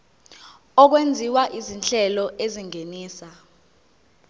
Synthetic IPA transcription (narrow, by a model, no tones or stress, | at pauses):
ɔk̬wend͡zʱiwaʔizinɬɛlɔʔeziŋeniːsa